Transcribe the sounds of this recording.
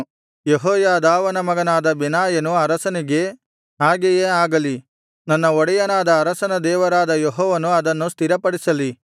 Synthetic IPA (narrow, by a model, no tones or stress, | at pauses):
jeɦɔːjaːd̪aːʋɐnɐmɐɡɐnaːd̪ɐbinaːjɐnuɐɾɐsɐniɡe̞ | aːɡɛjeaːɡɐli | nɐnːɐɔɽɛjɐnaːd̪ɐːɾɐsɐnɐd̪ɛːʋɐɾaːd̪ɐjeɦɔːʋɐnuɐd̪ɐnːust̪iɾɐpɐɽisɐli